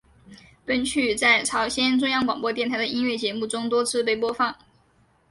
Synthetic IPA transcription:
pə˥nt͡ɕʰy˥˩t͡sa˥˩ɪʈ͡ʂʰɑ˧˥ʊɕjɛ˥nʈ͡ʂʊ˥ŋjɑ˥˩ŋkwɑ˨˩ŋpwɔ˥˧t̪jɛ˥˩nʰa˧˥ɪd̪ə˩ʔi˥nɥɛ˥˩t͡ɕjɛ˧˥mu˥˩ʈ͡ʂʊ˥ŋt̪wɔ˥t͡sʰɹ̩˥˧pe˥˩ɪpwɔ˥fɑ˥˩ŋ

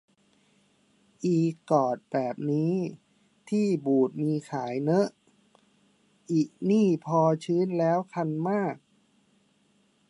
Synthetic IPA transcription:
ʔiː˨˩kːɔː˨˩t̪̚bɛː˨˩p̚niː˦˥ | t̪ʰiː˥˩buː˨˩t̪̚miː˧kʰaː˩˦jnɤ˦˥ʔ | ʔiː˨˩k̚niː˥˩pʰɔː˧t͡ɕʰɯː˦˥nlɛː˦˥wkʰa˧nmaː˥˩k̚

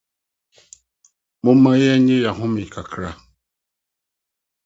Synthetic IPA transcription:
mo˦ma˦jɛ˦ɲe˦ja˨ɦʊ˦mi˨kʰa˨kʰɾa˦˨

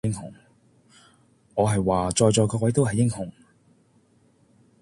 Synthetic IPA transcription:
ɪ˥ŋhʊ̰˨˩ŋ | ŋɔː˨˧ɦɐ˨jwaː˨t͡ʃɔː˨˧jt͡ʃɔː˨˧jkɔː˧k̚wɐ˨˥jt̪o˥wɦɐ˨jːɪ˥ŋhʊ˨˩ŋ

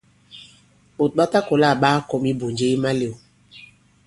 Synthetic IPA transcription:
o˨tɓa˦ta˦ko˨la˦˨ɓaː˦kɔ˨˦mi˦bo˨ɲd͡ʒe˦i˦ma˦le˨o˨

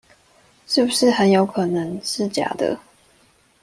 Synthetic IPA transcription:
ʂɻ̩˥˩bu˩ʂɻ̩˥˩xə˧˦njo˧˥ʊkʰɤ˨˩nɤ˧˦ŋʈ͡ʂɻ̩˥t͡ɕja̰˨˩˦d̪ə̰˧

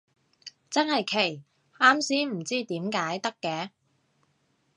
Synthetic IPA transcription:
t͡sɐ˥nhɐ˨jkʰe˨˩j | aː˥msiː˥m̩˨˩t͡siː˥t̪iː˨˥mkaː˨˥jt̪ɐ˥kːɛː˨˥

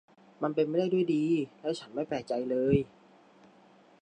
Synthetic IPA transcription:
ma˧npe˧nma˥˩jda˥˩jdu˥˩jdiː˧lɛː˦˥wt͡ɕʰa˦˥nma˥˩jpɛː˨˩t͡ɕa˧jlɤː˧j

